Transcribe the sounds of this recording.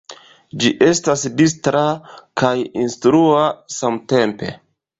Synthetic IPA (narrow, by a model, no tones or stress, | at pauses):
d͡ʒiʔe̞stasdistɾakajinstɾuasamte̞mpe̞̰